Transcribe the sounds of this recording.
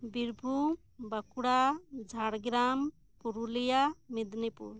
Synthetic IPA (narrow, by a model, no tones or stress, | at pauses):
biɾbʱu | bakuɽad͡ʒʱaɽɡɾam | puɾulijamid̪nipṵɾ